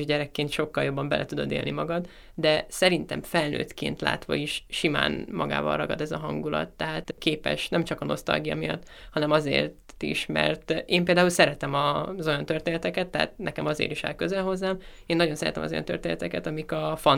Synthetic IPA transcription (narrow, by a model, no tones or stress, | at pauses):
ʒɟɛɾɛkːeːnt̪ʃo̞kːɒljo̞bːɒmbɛlʔɛt̪ud̪o̞d̪ḛlnimɒɡɒd̪ | d̪ɛsɛɾint̪ɛmfɛlnø̰ːt̪kḛːnt̪la̰ːt̪ʋɒ̰iʃʃima̰ːnmʔɒɡa̰ːvɒ̰rɒɡɒd̪ɛzɒɦɒŋɡulɒ̰t̪ːɛɦaːt̪keːpɛ̰ʃnɛmt͡ʃɒkɒno̞̰st̪ɒ̰lɡijɒ̰mijɒ̰t̪ːhɒnɛmɒzḛːrt̪ | ḭʃmɛ̰rt̪eːmpeːld̪aːulsɛɾɛt̪ɛmɒzo̞jɒnt̪ø̞rt̪eːnɛt̪ɛkɛt̪ːɛɦa̰t̪̚nɛkɛmɒzḛːɾiʃa̰ːlkøzɛlɦo̞zːaːmeːnːɒɟo̞nsɛɾɛ̰t̪ɛmɒzo̞jɒ̰nt̪ørt̪eːnɛt̪ɛkɛt̪ɒmikɒfɒn